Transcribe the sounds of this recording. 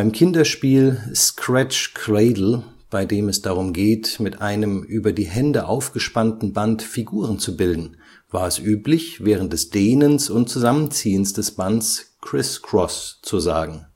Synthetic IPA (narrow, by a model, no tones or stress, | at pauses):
b̥aɪmkʰɪndɐʃpiːlskʁ̥ɛt͡ʃkʁeɪdl̩ | b̥aɪdeːmɛsd̥aʁ̞ʊmɡeːtmɪtʔaɪnəmʔyːbɐdiːɦɛndəʔaʊfɡ̥əʃpantn̩bantfiɡuːʁ̞ənt͡subɪldn̩ | vaːɐɛsʔyːplɪçvɛːʁ̞ən̩t̚d̥ɛsd̥eːnənsʊntt͡suzamənt͡siːənsd̥ɛsb̥anskʁ̥ɪskʁ̥ɔst͡suza̰ːɡŋ̩